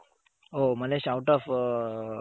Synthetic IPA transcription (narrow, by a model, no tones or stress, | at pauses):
oməleɕawʈɔf